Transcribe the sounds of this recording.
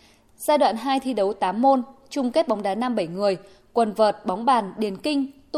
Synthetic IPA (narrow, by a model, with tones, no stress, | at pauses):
z̥aː˧jɗwa̰ː˧˨nɦaː˧jt̪ʰi˧ɗə˨˦wt̪aː˨˦mːo˧nt͡ɕʊ˧ŋ͡mke˦˥t̚ɓɔ˨˦wŋ͡mɗaː˨˦na˧mɓə˧˩jŋɨ˨˩əj | kwə˨˩nvəː˨˩t̚ɓɔ˨˦wŋ͡mɓaː˨˩nɗi˨˩ənkï˧ŋ̟t̪